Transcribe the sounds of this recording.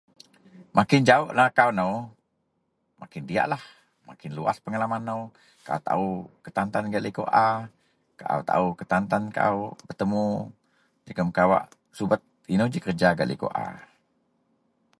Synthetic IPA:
mʔakɪnd͡ʒaʊʔlakawnəw | makɪndia̰ʔlah | ma̰kɪnlua̰spəŋalamanːəw | kaʔa̰t̪a̰ukət̪ant̪anɡaʔləko̰ʔa | kaʔa̰wt̪a̰ukət̪ant̪anka̰ubərt̪əmu | d͡ʒəkəmkawa̰ʔ | subət̪̚inəwd͡ʒikərd͡ʒaɡaʔlʔə̰ko̰ʔa̰

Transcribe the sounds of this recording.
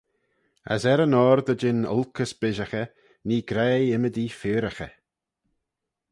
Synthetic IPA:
a̰sɛɾənɔːɾd̪əd͡ʒɪnʊ̰lkʰəsbɪʒəxə | niːɡɾɛːɪməd̪iːfɪːɾəxə

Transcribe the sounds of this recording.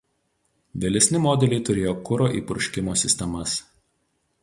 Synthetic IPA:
ʋʲɛlʲɛsʲnʲɪmɔːd̪ʲɛlʲɛɪt̪ʊɾʲeːjoːkʊɾoːʔḭːpʊɾʊʃʲkʲɪmoːsʲɪsʲt̪ʲɛmɐs

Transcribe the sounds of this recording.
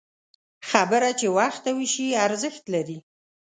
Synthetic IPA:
xabəɾat͡ʃewaxt̪awiʃiaɾzəxt̪laɾi

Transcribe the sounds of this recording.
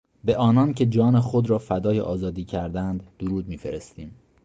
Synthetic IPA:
be̞ʔɒːnɒncʰe̞d͡ʒɒːnexo̞d̪ɾɒːfæd̪ɒːjḛʔɒːzɒːd̪iːcʰæɾd̪ænd̪ːoɾuːd̪̚miːfe̞ɾest̪iːm

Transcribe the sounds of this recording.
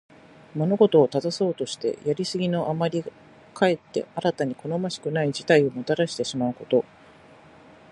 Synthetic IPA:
mo̞no̞ɡo̞t̪o̞ːt̪ad̪aso̞ːt̪o̞ɕi̥t̪e̞̰jaɾʲisɨɡʲino̞ʔamaɾʲi | kʰae̞t̪ːe̞̰aɾat̪aɲ̟ikʰo̞no̞maɕi̥kɯ̟naid͡ʑit̪aio̞mo̞t̪aɾaɕi̥t̪e̞ɕimaɯ̟ko̞t̪o̞

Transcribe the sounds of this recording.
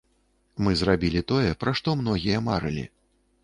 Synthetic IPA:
mɨzrabʲilʲit̪ɔjɛpɾʔaʂt̪ɔmn̪ɔɣʲijɐma̰ɾɨlʲḭ

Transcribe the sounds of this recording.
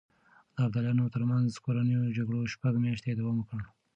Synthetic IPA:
d̪̥əaɾd̪aljɑnot̪əɾmanzkoɾanəjod͡ʒaɡɽoʃpaɡmjaʃt̪ed̪awɑmwəkəɽ

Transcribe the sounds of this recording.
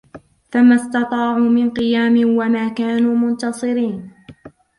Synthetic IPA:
famːast̪ɑt̪ˤɑːʕuːmɪnqɨjaːmɪnwamaːkaːnuːmʊnt̪ɑsˤɨɾiːn

